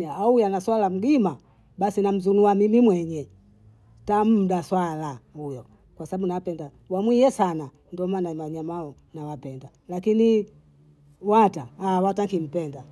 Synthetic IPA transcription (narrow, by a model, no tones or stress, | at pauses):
iaujanaswalam̩ɡima | ɓasinam̩zunuamimimwɛɲɛ | tam̩ɗaswalahujɔ | kwasaɓaɓunawapɛnda | wamwijɛsana | ndɔmanamaɲamaɔ | nawapɛnda | lakini | wataːwataŋkim̩pɛnda